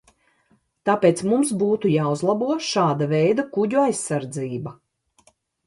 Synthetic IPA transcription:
t̪apeːt̪smumsbuːt̪ujaːuzlˠabuɔʃaːd̪avɛjd̪akuɟuajsːaɾd̪ziːbɐ

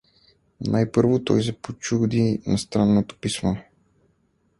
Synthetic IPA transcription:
nʔajpəɾvot̪ɔ̰js̬ɛpot͡ʃud̪inast̪ɾanːot̪o̥pismo

